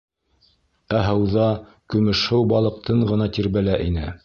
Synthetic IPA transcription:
æɦɤ̆wðɑ | kɵ̆mɵ̆ʃhɘwbɑlˠɤ̆q̚t̪ɤɴʁɤ̆nɑt̪iɾβælæʔinɘ̰

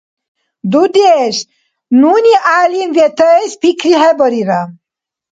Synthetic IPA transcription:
d̪ud̪eʃ | nunʲiʔaːlimvet̪əspikʰɾiɦɛbɔɾiɾa

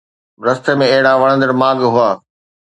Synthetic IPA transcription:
ʋɾɐst̪emẽɐɦɪɽaʋɐɽə̃nd̪əɽmaːɡɦʊaː

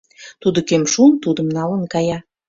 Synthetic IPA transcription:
t̪ud̪okemʃunt̪ud̪ə̆mnɑlə̆nkɑjɑ

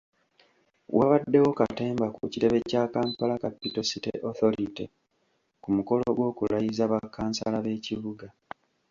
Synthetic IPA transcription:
wʔaβadːe̞wo̞kate̞ːmbakṵciɾe̞βe̞caːkaːmpalakapːito̞sitḛʔoθo̞ɾitḛ | kumuko̞loɡwo̞ːkulajizaβakːaːnsalaβe̞ːciβuɡa

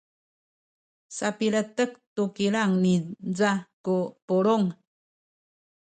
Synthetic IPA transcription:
sapiɭətək̚tukiɭaŋnid͡zakupuɭuŋ

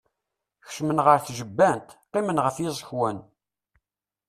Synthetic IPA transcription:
ç̥ʃmənʁəɾθʒəbːænt̪qːimənʁəfjɪzˤəçwæn

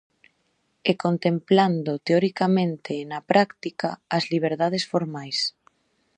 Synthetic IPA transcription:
ekont̪empland̪ot̪eoɾikamẽnt̪enapɾakt̪ikaːzliβ̞eɾðað̞esfoɾmajs

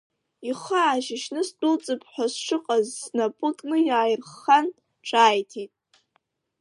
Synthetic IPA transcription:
iχaːʒɪʃnɨstʼʊlt͡sʼɨpʰħʷᶣasʂɨqʼazːnapʼɨkʼnɨjaːjrχan | ʈ͡ʂʰʼaːjtʰitʼ

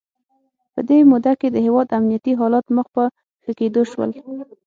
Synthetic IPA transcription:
pə̰d̪emud̪aked̪əɦewɑd̪amnijat̪iɦɑlɑt̪məxpə | xəked̪oʃwə̰l

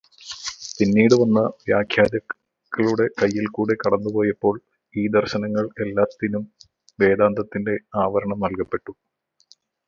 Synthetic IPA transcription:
tinːiːɽɨʋɐnːɐʋjaːkʰjaːdɐ | kːɐɭuɽe̞kɐjːilkuːɽekɐɽɐnːupo̞ːjɐpːo̞ːɭ | iːd̪ɐrɕɐnɐŋːɐɭe̞lːaːt̪ːinum | ʋe̞ːd̪aːnd̪ɐt̪ːinde̞aːʋɐɾɐɳɐmnɐlkɐpːe̞ʈːu

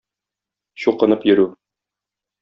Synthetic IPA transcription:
ɕuqɤ̆nɤpjɵ̆ɾʉ

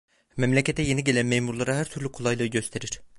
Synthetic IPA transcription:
mɛmlʲɛcʲʰet̪ʰɛjeniɟelɛnmejmuɾlˠɑɾɑhæɾt̪ʰyɾlʲykʰolˠɑjlˠɯɟøst̪ʰeɾiɾ̥

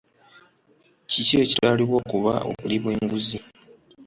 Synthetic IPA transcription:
cicocitaliβwo̞ːkuβa̰o̰βuliβwe̞ːŋɡuzi

